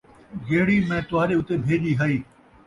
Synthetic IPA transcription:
ɡeːɽiːmẽːt̪ʊɦaːɾeːʊt̪eːbʱeːʄiːɦaiː

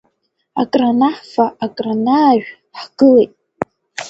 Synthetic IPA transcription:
a̰kʼranaħfaakʼranaːʒᶣ | ħɡ̥ɨletʼ

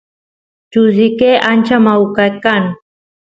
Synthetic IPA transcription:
t͡ʃuzikeʔant͡ʃamaukakan

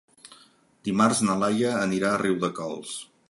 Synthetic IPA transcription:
d̪imarznəlajəːniɾaəriwðəkɔ̰lˠs

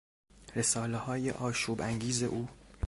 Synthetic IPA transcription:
ɾe̞sɒːlehɒːjḛʔɒːʃuːbæŋɟiːze̞̰ʔuː

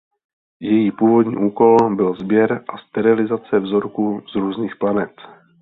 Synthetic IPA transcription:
jɛjiːpuːvo̞dɲḭːʔuːko̞lbɪlzbjɛɾʔast̪ɛɾɪlɪzat͡sɛvzo̞ɾkuzɾuːzniːxplanɛt̪

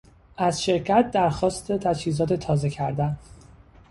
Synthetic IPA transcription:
ʔæzʃe̞ɾcʰæt̪̚d̪æɾxɒːst̪ʰet̪ʰæt͡ʃhiːzɒːt̪ʰe̞t̪ʰɒːze̞cʰæɾd̪æn

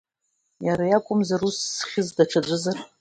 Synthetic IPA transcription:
jaɾajakʷʼʊmzarusːχʲɪzdaʈ͡ʂʰad͡ʒʷɨzar

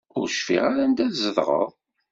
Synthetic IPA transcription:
ʊɾʃfḭʁaɾand̪æθzəðʁə̰ʁˤ

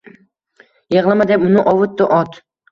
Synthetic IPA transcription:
jeʁlˠamad̪epʊnɪʔɒwɨt̪ːɪʔɒt̪

